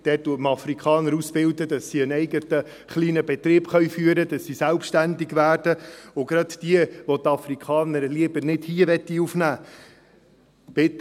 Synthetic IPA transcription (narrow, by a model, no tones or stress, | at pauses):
d̥ɛːttːuətmɑfɾikʰɑːnəɾusb̥ɪld̪əd̥ɑsːiənɛjɡət̪ə | χliːnəbɛt̪ɾɪːbχœɥfyːəɾəd̥ɑsːisælpʃtændiɡʋæːrd̥əʊɡɾɑt̪d̥iəʋɔt̪ɑfrikʰχɑːnəɾliəbəɾnɪdhiːəʋɛt̪ːiufnæː | b̥ɪtː